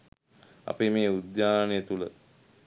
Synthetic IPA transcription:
ɐ̰pemeːud̪jaːnəjet̪ulə

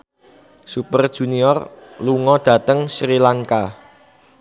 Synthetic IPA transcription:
supərd̥ʒ̥ṳniɔr | luŋɔd̪̥ä̤t̪əŋsɾilaŋka

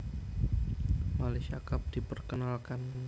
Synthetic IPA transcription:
maleʃiakap̚d̥ipərkənalkan

